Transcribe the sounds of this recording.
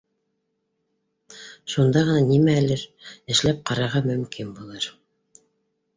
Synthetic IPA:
ʃund̪ɑʁɤ̆nɑnimæːlɘɾɘ̆ʃlæp̚qɑɾɑɾʁɑmɵ̆mkinbulˠɤɾ

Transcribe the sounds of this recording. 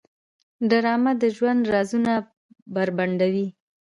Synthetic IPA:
ɖaɾɑmad̪əʒwand̪ɾɑzuna | baɾbaɳɖawi

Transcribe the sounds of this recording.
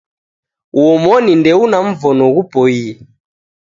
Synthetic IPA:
wɔmɔnindɛunaɱ̩vɔnɔɣupɔiɛ

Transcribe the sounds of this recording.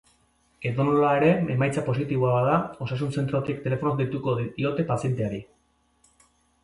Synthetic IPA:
e̞ðonolae̞ɾe̞emajt͡sapo̞s̬it̪iβoaβaðao̞sas̬unse̞nt̪ɾot̪iek̚t̪e̞le̞fo̞nokd̪it̪ukod̪io̞t̪e̞pasje̞nt̪e̞aɾi

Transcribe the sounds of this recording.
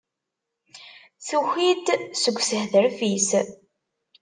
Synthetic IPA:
θuxid̪səɡʷːsəhðəɾfis

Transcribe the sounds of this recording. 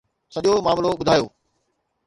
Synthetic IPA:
sɐʄomaːmloɓʊd̪ʱaːjoː

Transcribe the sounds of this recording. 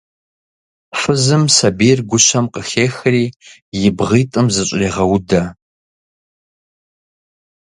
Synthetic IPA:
fɨzɨmsɐbiːrɡʷʊɕʰɐmqəxeːxɐriːjɪbʁiːtʼɨmzɨɕʷʼriːʁɐwʊdɐ

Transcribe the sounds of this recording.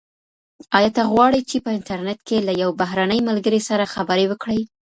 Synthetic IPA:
ɑjɑt̪aɣwɑɽəjt͡ʃepəɪntaɾnet̪kelajawbaɦɾanəjmalɡəɾesaɾaxabəɾewəkɽəj

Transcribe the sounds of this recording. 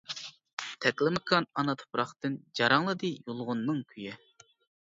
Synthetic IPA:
t̪ʰɛkʲlɪmɑkʰɑnɑnɑt̪ʰo̥pɾɑχt̪ɨnd͡ʒɑɾɑŋlˠɨd̪ɨjolˠʁʊnːɨŋkʲʰyjɛ

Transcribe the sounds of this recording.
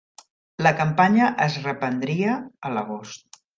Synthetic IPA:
ləkəmpaɲəʔəzrəpənd̪ɾiəːləɣ̞ost̪̚

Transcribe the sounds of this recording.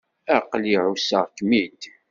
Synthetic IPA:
æqliʕusəʁkmid̪

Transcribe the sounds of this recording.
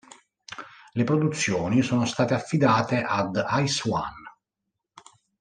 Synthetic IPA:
lepɾod̪ut̪sːjoːnisoːnost̪aːt̪eafːid̪aːt̪eʔad̪ajswa̰n

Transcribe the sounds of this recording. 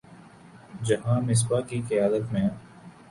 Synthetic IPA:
d͡ʒɐɦãːmɪs̬bakiqɪjaːd̪ət̪mẽ

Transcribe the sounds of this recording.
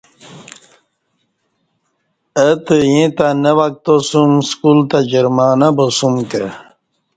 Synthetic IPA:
ət̪əjĩt̪anəwak̚t̪osumskult̪ad͡ʑəɾmaːnabosumkə

